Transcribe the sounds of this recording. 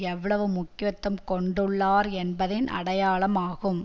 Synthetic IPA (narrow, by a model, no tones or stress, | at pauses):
ɛʋːɐɭɐʋɯmʊkɪjɐt̪ːɐmkɔɳɖɯɭːaːɾɛnbɐðɪnɐ̰ɽɐjaːɭɐmaːɣɯm